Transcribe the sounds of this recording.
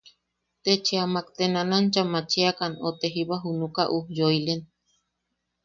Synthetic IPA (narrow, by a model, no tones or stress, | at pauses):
t̪et͡ʃeamakt̪enanant͡ʃamat͡ʃiakanot̪eɦiβaɦunukaʔuhjoilen